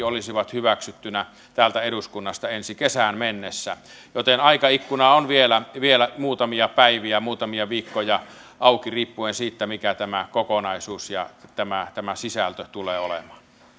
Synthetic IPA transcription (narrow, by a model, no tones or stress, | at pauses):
olisiʋɑt̪hyʋæksyt̪ːynæ | t̪æːlt̪æeɾuskunːɑst̪ɑensikesæːnmenːesːæ | jot̪enɑikɑikːunɑonʋielæʋielæmuːt̪ɑmiɑpæiʋiæmuːt̪ɑmiɑʋiːkːojɑ | ʔɑˑukiriːpːuensiːt̪ːæmikæt̪æmækokonɑˑisuːsjɑ̰t̪æmæt̪æmæsisælt̪øt̪uleːolḛmɑ̥ːn